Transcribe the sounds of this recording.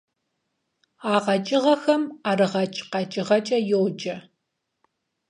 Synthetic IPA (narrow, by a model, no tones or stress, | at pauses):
aːʁɐt͡ʃʼɪʁɐxɐmaːɾɨʁɐt͡ʃʼqɑt͡ʃʼɪʁɐt͡ʃʼɐjowd͡ʒʼɐ